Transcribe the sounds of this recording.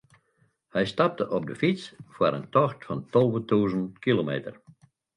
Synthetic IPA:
hɛjstɑp̚təʔɔb̚dəfit͡sfwaɾə̰ntɔxtfɑntɔlˠʋətuːzəntkilomḛːtər

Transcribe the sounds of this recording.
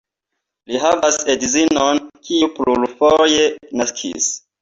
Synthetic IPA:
liɦavasedizinonkiuplulfojenaskʰḭs

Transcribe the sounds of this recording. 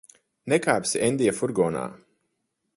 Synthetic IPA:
nɛkaːpsiɛnd̪ijafuɾɡɔːna̰ː

